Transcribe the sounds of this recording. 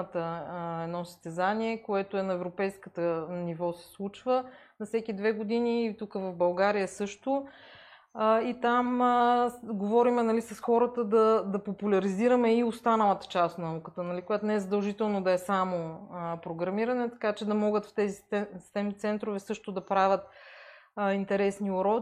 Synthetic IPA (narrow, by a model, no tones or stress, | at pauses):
t̪əɛd̪nɔsə̥st̪ɛzaniɛkoɛt̪oɛnɐɛvɾopɛjskət̪ənivɔsɛ̥slˠut͡ʃvə | nɐfsɛkid̪vɛɡod̪iniːt̪ukəvɐvbɐlˠɡaɾijəsɤʃt̪o | it̪am | ɡovɔɾimɛnɐlisɐsxɔɾət̪əd̪ɐd̪ɐpopulʲɐɾiziɾɐmɛiost̪anəlˠət̪ə̥t͡ʃast̪nɐukət̪ənɐlikojat̪ʊnɛɛzəd̪ɐlˠʒit̪ɛlˠnod̪ɐɛsamopɾoɡɾɐmiɾɐnɛt̪ɐ̥kat͡ʃɛd̪ɐmɔɡət̪ft̪ɛzit̪ɛmit̪sɛnt̪ɾovɛsɤʃt̪ʊd̪ɐpɾavʲət̪̚ | int̪ɛɾɛsnioɾɔ